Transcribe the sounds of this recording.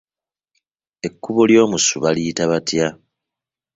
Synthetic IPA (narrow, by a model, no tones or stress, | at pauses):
e̞kːuβoljo̞ːmusuβaliːtaβatja